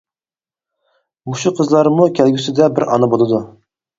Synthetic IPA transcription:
muʃuqʰəzlˠɑɾmukʲʰælɡʲysɪd̪ɛbɪɾɑ̰nɑbolˠɨd̪u

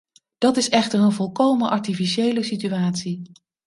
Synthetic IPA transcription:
d̥ɑtɪsɛχtəɹənvɔlˠkowmənʔɑɹtifiʃejləsityaːtsi

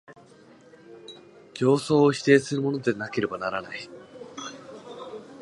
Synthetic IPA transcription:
d͡ʑo̞ːso̞ːɕi̥t̪e̞ːsɨɾɯ̟mo̞no̞d̪e̞nake̞ɾe̞banaɾanai

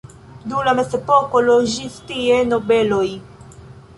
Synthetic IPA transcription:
d̪uːlɐmɛsɛpɔːkɔlɔʒift̪iɛnɔbɛlɔi

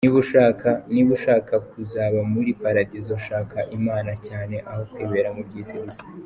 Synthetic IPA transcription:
niβuʃaːkaniβuʃaːkakuzaːβamuɾipaɾaɟizoʃaːkaʔimaːnacaːne̞ʔaho̞kweːβeɾamubɟisiɾizi̥

